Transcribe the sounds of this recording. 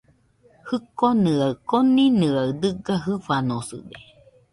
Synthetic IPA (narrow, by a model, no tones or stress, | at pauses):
hɯkonɨakoninɨawd̪ɨɡaɦɨfanosɨ̰de